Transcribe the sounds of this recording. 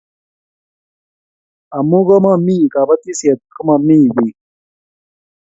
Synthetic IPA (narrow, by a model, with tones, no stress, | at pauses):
a˨mu˦ɡo˦ma˦mi˦˨ka˨ba˦t̪i˦si˨a˨t̪̚ku˦ma˨mi˦˨bi˨